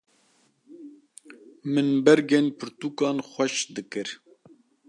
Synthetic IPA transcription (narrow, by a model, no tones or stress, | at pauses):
mɨnbɛɾɡenpʰɨɾt̪uːkɑːnxʷɛʃd̪ɨkɨɾ